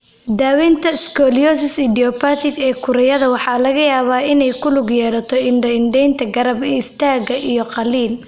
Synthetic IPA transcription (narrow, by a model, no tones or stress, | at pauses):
d̪aːwɛnt̪ʰɐskʰɔːljɔsɪsɪd̪iɔpat̪ʰɪɡɛːkʰʊɾɐjɐðɐwɑħɑːlɐɣɐjaːβaːɪnɛjkʰʊlʊɡjɛːɽɐt̪ʰɔɪnɖɐɪnɖɛjnt̪ʰɐɡɐɾɐbɛːɪst̪ʰaːɣɐʔijɔqɑliːl